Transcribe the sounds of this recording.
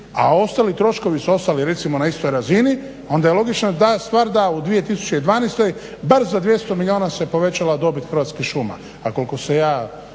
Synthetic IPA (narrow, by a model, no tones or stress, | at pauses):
a̰o̞st̪aːlit̪ɾo̞ʃko̞ʋisuo̞st̪aliɾe̞t̪simo̞naist̪o̞jɾazini | o̞nd̪ajelˠo̞ɡit͡ʃnat̪ast̪ʋaːɾd̪aud̪ʋije̞t̪isu̥t͡ɕe̞id̪ʋaːnest̪o̞j | baɾzad̪ʋje̞st̪o̞milio̞ːnasepo̞ʋe̞t͡ɕalad̪o̞bit̪xɾ̩ʋat̪skixʃuːma̰ | akolkosejaː